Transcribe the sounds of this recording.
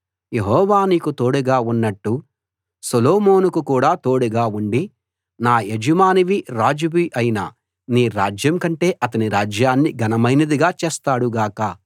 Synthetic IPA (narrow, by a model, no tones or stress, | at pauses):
je̞ɦɔːʋaːniːkut̪o̞ːɽuɡaːunːɐʈːu | sɐloːmo̞ːnukukuːɽaːt̪o̞ːɽuɡaːuɳɖi | naːed͡ʒimaːniʋiɾaːd͡ʒuʋiʔɐjina | niːɾaːd͡ʒjɐmkɐɳʈe̞ːʔɐt̪̬ɐniɾaːd͡ʒjaːnːiɡɐnɐmɐjnɐd̪iɡaːt͡ʃeːst̪aːɽuɡaːkɐ